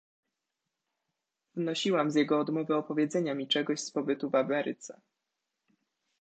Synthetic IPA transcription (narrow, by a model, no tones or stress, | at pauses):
vnɔɕiwamzʲjɛɡɔːd̪mɔvɛɔpɔvʲjɛd̪zɛɲamʲit͡ʂɛɡɔɕspɔbɘt̪uvamɛɾɘt̪sɛ